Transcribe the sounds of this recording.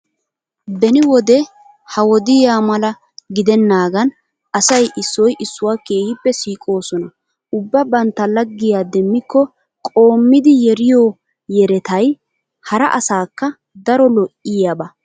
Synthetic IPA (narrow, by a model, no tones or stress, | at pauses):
bɛnɪwɔd̪ɛ | hɐwɔd̪ɪjaːmɐlɐ | ɡɪd̪ɛnːaːɡɐn | ɐsɐjʔɪsːɔjʔɪsːʊwaːkeːhɪpːɛsiːkʼo̞ːsɔnɐ | ʊbːɐbɐnt̪ːɐlɐɡːɪjaːd̪ɛmːɪkːɔ | kʼo̞ːmːɪd̪ɪjɛɾɪjoː | jɛɾɛt̪ɐj | hɐɾɐʔɐsaːkːɐ | d̪ɐɾɔlɔʔɪjaːbɐ